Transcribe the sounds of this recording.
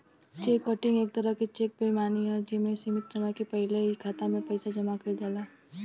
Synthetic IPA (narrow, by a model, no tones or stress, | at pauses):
t͡ʃeːkːɔʈɪ̃ŋɡeːk̚t̪ɐɾəket͡ʃek̚bemaːniɔd͡ʒeːmẽsimɪt̪̚d͡ʒɐmakepɛɦɪleikʰaːt̪amẽpɐɪsad͡ʒɐmakɐd͡ʒaːlaː